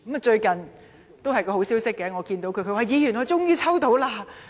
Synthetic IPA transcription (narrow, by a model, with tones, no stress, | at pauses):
km˨t͡ʃɵ˧ɥkɐ˨n | t̪o˥wɦɐ˨jkɔː˧ho˨˥siː˥wsɪ˥kːɛ˨˥ŋɔː˨˧kiː˧nt̪o˨˥wkʰɵ˨˧kʰwaː˨˧jiː˨˧jyː˨˩nŋɔː˨˧t͡sʊ˥ŋjyː˥t͡sʰɐ˥wt̪o˨˥wlaː˥